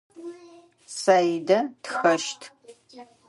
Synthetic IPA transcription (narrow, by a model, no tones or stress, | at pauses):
sajdɐtxɐʃtʰ